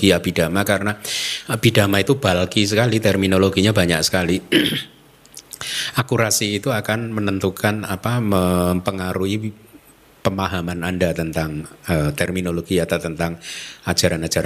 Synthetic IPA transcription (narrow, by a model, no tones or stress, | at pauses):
iab̥id̥amakaɾənaab̥ida̤mait̪ub̥alkis̬əkalit̪ɛrminoloɡiɲabaɲak̚sə̥kali | ʔakuɾasiːt̪uakanmənənt̪ukanapaməmpəŋaɾui | pəmaɦamanandat̪ənt̪aŋət̪ɛrminoloɡ̥iat̪awt̪ənt̪aŋḁd͡ʒ̥a̤ɾanḁd͡ʒ̥aɾ